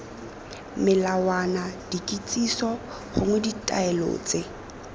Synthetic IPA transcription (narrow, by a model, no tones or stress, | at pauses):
mɪlawanad̥ikʼit͡sʼisɔ | χʊŋweditʼa̰ɛlo̰t͡sʼe